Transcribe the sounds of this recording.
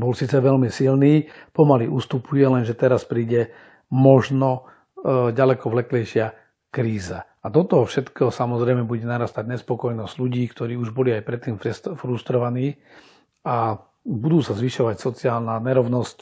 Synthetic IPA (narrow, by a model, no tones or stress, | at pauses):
bɔlsiːt͡sɛʋɛlmisilniːpɔmaliʔuːst̪upujɛlɛnʒɛt̪ɛɾaspɾiːɟɛ | mɔʒnɔ | ɟalɛkɔʋlɛklɛjʃɪa | kɾiːza | at̪ɔt̪ɔfʃɛt̪kɔsamɔzɾɛjmɛbuɟɛnaɾast̪aɟɲɛspɔkɔjnɔzɟluɟiːkt̪ɔɾiːuʒbɔliajpɾɛt̪ːiːmfɾsfɾust̪ɾɔʋaniː | a | bud̪uːsazʋiʃɔʋacsɔt͡siaːlnaɲɛɾɔʊnɔsc̚